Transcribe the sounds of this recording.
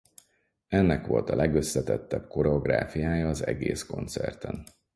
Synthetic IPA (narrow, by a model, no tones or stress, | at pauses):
ɛnːɛkʋo̞lt̪ɒlɛɡø̞sːɛt̪ɛt̪ːɛbko̞ɾɛoɡra̰ːfijaːjɒːzɛɡeːsko̞nt̪sɛrt̪ɛn